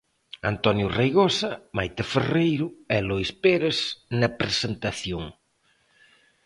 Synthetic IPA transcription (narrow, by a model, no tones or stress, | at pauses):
a̰nt̪ɔnjʊrejɣosɐmajt̪eferejɾʊɛlojspeɾesnɐpɾesent̪aθjoŋ